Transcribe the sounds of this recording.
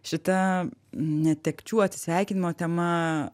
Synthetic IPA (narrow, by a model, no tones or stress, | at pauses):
ʃɪt̪ɐ | nʲɛt̪ʲɛkt͡ʃʲuɔt̪sʲɪ̥sʲɛjkʲɪnʲɪmoːt̪ʲɛmɐ